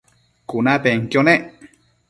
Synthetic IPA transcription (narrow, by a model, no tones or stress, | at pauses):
kunapeŋkjoneʔ